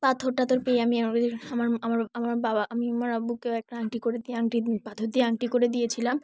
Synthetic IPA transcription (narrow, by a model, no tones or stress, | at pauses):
pat̪ʰoɾʈat̪oɾpeamiamaɾamaɾamaɾbabaʔamimoɾabukeɛk̚ʈaaŋʈikoɾed̪ieaŋʈipat̪ʰoɾd̪ieaŋʈikoɾed̪ijet͡ɕʰilam